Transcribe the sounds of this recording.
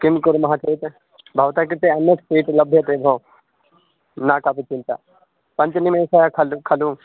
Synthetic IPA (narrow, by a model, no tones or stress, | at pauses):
kɪmkʊɾmɐɦãt͡ʃeːt̪ | bʱaʋt̪aːk̬iɾt̪eɐneksiːʈlɐbʱjɐt̪ebʱõː | nakapiːt͡ʃɪ̃nt̪a̰ː | pɐ̃ɲt͡ʃnimẽsajakʰɐlkʰɐlũ